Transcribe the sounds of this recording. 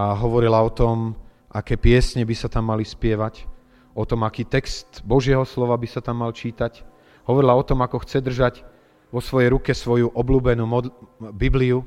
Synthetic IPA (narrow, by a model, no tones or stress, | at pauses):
aɦɔʋɔɾilaɔt̪ɔm | ʔakɛːpɪɛsɲɛbisat̪amːalispɪɛʋac | ʔɔt̪ɔmakiːt̪ɛkst̪bɔʒɪɛɦɔslɔʋabisat̪amːalt͡ʃiːt̪ac | ɦɔʋɔɾilaɔt̪ɔmakɔxt͡sɛd̪r̩ʒaɟ | ʋɔsʋɔjɛjɾukɛsʋɔjuʔɔbluːbɛnuːmɔbibliu